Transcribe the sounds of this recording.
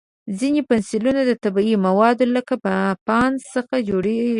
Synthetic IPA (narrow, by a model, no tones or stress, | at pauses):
zinepansilunad̪ət̪abiimawɑd̪oləkapapɑnsəxad͡ʒoɽe